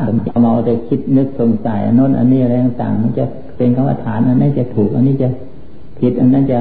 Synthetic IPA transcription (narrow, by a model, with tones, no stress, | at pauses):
m˧˩˧ma˧wt̪a˧kʰi˦˥t̪̚nɯ˦˥k̚so˧ŋsa˨˩˦jʔa̰˧no˦˥˨nʔa̰˧nːiː˥˨a˧ɾa˧jt̪a˨˧˩ŋt̪a̰ː˨˩ŋma˧˥˩nt͡ɕa˧ | pe˧nkʰa˧˥wʔa̰˧t̪ʰaː˨˦nʔa˧nːaː˦˥˨t͡ɕa˨t̪ʰuː˨˩k̚ʔa˧niː˦˥˩t͡ɕa˧˨ | kʰi˦t̪̚ʔa˧nːaː˦˥˨nt͡ɕa˧˨